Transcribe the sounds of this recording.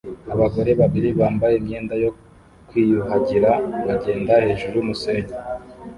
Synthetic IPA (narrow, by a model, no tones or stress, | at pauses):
aβaɡo̞ɾe̞βaβiɾiβaːmbajemɲe̞ːndajo̞ | kwiːjuhaɟiɾaβaɟe̞ːndahe̞ːʒuɾujumuseːɲe